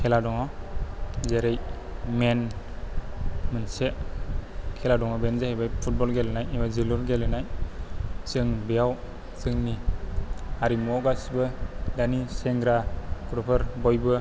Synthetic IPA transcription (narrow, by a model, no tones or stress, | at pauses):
kʰɛladɔŋɔ | zeɾej | men | mɯnseʔ | kʰɛladɔŋɔbɛnzahɛbajpʰut̚bɔlɡelenajimaziluɾɡelenaj | sɯŋbijaw | sɯŋni | aɾimɔɡasibɯdanisɛŋɡɾakuɾɔpʰɯɾbɔjbɯ